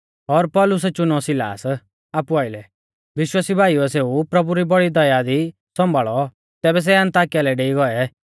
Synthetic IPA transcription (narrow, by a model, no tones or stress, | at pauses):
ɔɾpɔlʊs̬ɛt͡ʃʊnɔsɪla̰ːs | apuaːɪlɛ | ʋɪʃwaːsibʱaːiuɛseupɾɐbuɾibɔɽid̪ɔjad̪i | sɔ̃mbʱaːɭɔ | t̪ɛːbɛs̬ɛɐ̃nt̪aːkialɛɖeːiɡɔɛ